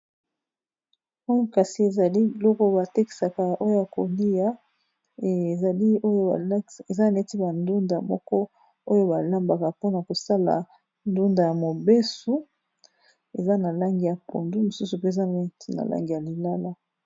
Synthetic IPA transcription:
o˦jo˦ka˨si˨e˨za˨li˦i˨lɔ˦ko˦ba˨te˦ki̥˨sa˨ka˨o˦jo˦ja˨ko˨li˦ja˦ | e˨za˨li˦o˦jo˦˨˦e˨za˦a˨ne˦ti˦ba˨ndu˦nda˨mɔ̰˦kɔ˦ | o˦jo˦ba˨la˦mba˨ka˨po˦na˨ko˨sa˦la̰˨ | ndu˦nda˨ja˨mo˨be˦su˦ | e˨za˦na˨la˦ŋɡi˨ja˨po̰˨ndu˦mo˨su˦su˨pe˦˨za˦n˨˦ti˦na̰˨la̰˦ŋɡi˨ja˨li˨la˦la˦

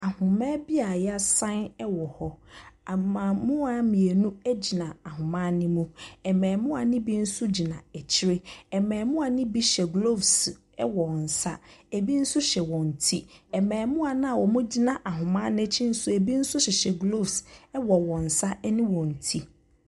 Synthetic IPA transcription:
a˨hʊ̃˨mɛ̃˦bi˦a˨jɛ˦a˦sã˦nɛ˦wɔ˨hɔ˦a˨mã˨mʊ̃˦a˨mĩ˨e˨nũ˦æ˦d͡ʑi˨nã˨a˨ɦʊ̃˨mã˦nɪ̃˦mũ˦ɛ˨mɛ̃ː˨mʊ̃˦a˨nɪ̃˦bi˦n̩˦sʊ˦d͡ʑi˨nã˨ɛ˨t͡ɕʰɪ˦ɾɪ˦ɛ˨mɛ̃ː˨mʊ̃˦a˨nɪ̃˦bi˦ɕɛ˨ɡlo˦˨vs | ɛ̰˦wɔ˨n̩˨sa̰˦e˨bi˦n̩˦sʊ˦ɕɛ˨wɔ̃˨n̩˨tʰi˦ɛ˨mɛ̃ː˨mʊ̃˦a˨nã˦a˨wɔ˨mʊ̃˦d͡ʑi˦nã˨ʔa˨ɦʊ̃˨mã˦nɪ̃˦t͡ɕʰi˦n̩˦sʊ˦e˨bi˦n̩˦sʊ˦ɕɛ˨ɕɛ˨ɡlo˦˨vsɛ˦wɔ˨wɔ̃˨n̩˨sa˦nɪ̃˦wɔ̃˨n̩˨tʰi˦

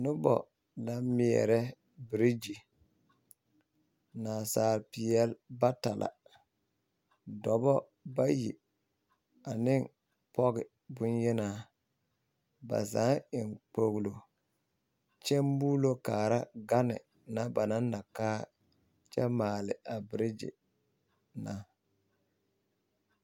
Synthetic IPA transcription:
nʊ˦bɔ̰˨ | la˨mɪ˨ɛ̰˨ɾɛ˦ | bɪ˨ɾi˦d͡ʒi˨ | naː˨saː˨ɾpɪ˨ɛ˦lba˦ta˨lʔa̰˨ | dɔ˨bɔ˦ | ba˦jḭ˨ | a˨nɪ˦ŋ | pɔ˦ɣɪ˨ | bʊ˦njɛ˦naː˦ | ba̰˨za˨˦ɪ˨ŋk͡po˨ɣlo˨ | t͡ʃɛ˦mbuː˦lo˦kaː˨ɾa˦ɡa˦nɪ̰˨ | na˦ba˨naː˦a˨kaː˦ | t͡ʃɛ˦maː˨lɪ˨a˨bɾɪ˦d͡ʒɪ̰˨ | na˨

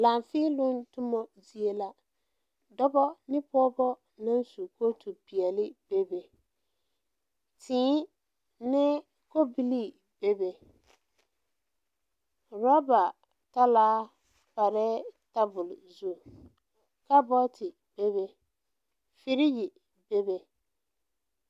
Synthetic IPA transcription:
la˨ɱfiː˦lʊ˦ntʊ˦mɔ˦zi˨e˦la˦ | dɔ˦bɔ˦nɪ˦pɔ˦bɔ˦ | na˦nsu˨ko˦tʰu˨pi˨ɛ˨lɪ˦b̥e˦be˨ | tʰɪ̃ː˦ | nɪ˦ | ko˦bi˦li˦˨ | b̥e˦be˨ | ɾa˦ba˨ | ta˦laː˦ | pa˨ɾɛ˦ta˦bʊ˨lzu˦˨ | ka˦bɔ˦tʰɪ˨ | b̥e˦βe˨ | fɪ˨ɾi˦ji˨ | be˦be˨

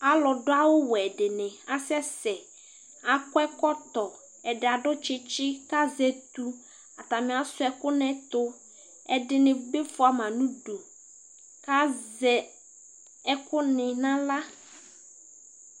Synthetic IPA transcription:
a˦lɔ˨dʊ˦a˦wʊ˦wɔ˨ɛ˨dɪ˨nɪ̃˨a˨sɛ˦sɛ˨ | a˨kʊ˦ɛ˦kɔ˦t̪ɔ˨ | ɛ˨dɪ˨a˨ɖʊ˦t͡ʃɪ˦t͡ʃɪ˦ka˦zɛ˨t̪u˦ | a˨t̪a˨mɪ̃˨˦a˨sʊ˦ɛ˨kʊ˦nɛ̃˦t̪ʊ˦ | ɛ˨dɪ˨nɪ̃˨be˦fʊ˨a˨mã˨nũ˦do˨ | ka˦zɛ˨ | ɛ˦kʊ˦nɪ˨nã˦la˦

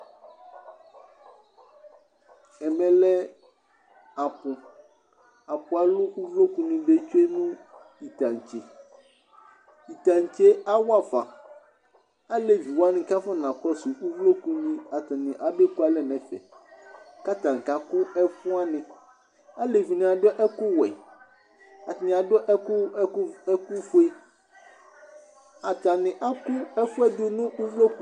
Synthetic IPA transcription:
ɛ˨mɛ̃˨lɛ˦ | a˨pʊ˨ | a˨pʊ˨a˨lʊ˦kʊ˦vlo˦ku˦nĩ˦be˦t͡ʃe˦nʊ̃˦ | i˨tã˨ŋ˨t͡ʃe˨ | i˨ta˨n˨t͡ʃe˦a˦wa˦˨fa˨ | a˦le˨vi˨wa˦nɪ̃˦ka˦fa˦nã˨k͡pɔ˦sʊ˨ʔu˦vlo˦ku˦nĩ˦a˨t̪a˨nɪ̃˨ʔa˨be˦ku˦a˦lɛ˨nɛ̃˨fɛ̰˨ | ka˦t̪ã˨ŋ̩˨ka˨kʊ˦ɛ˦fʊ˦a˦nɪ̃˨ | a˦le˨vi˨nɪ̃˨a˨dɔ˦ʔɛ˦kʊ˦wɛ̰˨ | a˨tnɪ̃˨a˨dɔ˦ʔɛ˦kʊ˦ɛ˦ku˦fo˦e˦ | a˨t̪a˨nɪ̃˨ʔa˦kʊ˦ɛ˦fʊ˦ɛ˦d̪ʊ˦nũ˦u˦vlo˦ku˦

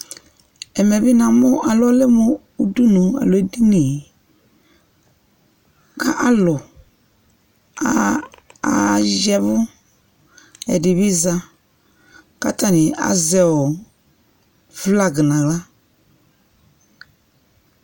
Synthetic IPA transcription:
ɛ˨mɛ˨bi˦nã˨mʊ˦ʔa˨lɔ˦lɪ˦mʊ˦ | u˦du˦nũ˨a̰˨lo˨ɛ˦di˦ni˨ | ka˦ʔa˦lʊ˨ | a˦a˨d͡ʒɛ˦vʊ˦ | ɛ̰˨dɪ˨βi˦za˦ | ka˦ta˨nɪ˨a̰˨zɛ˨ʊ˨ | vla˦ɡɪ˨nã˨ɣla˦

